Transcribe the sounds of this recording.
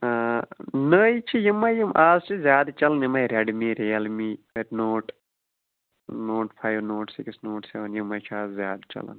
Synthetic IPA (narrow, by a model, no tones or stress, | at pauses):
nəːjit͡ʃʰijimːajimʔaːzt͡ʃʰizʲjaːd̪t͡ʃɐlɐnjimɐjɾʲɐɖmiːɾeːɐlmiːəɾnoːʈ | noːʈpʰaːjʋnoːʈsiksnoːʈseʋɐnjimɐjt͡ʃʰiaːzzjaːd̪t͡ʃɐ̰lɐ̰n